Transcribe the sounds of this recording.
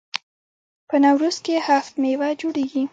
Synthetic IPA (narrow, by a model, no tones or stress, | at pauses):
pənawɾuzkehaft̪mewad͡ʒoɽeɡi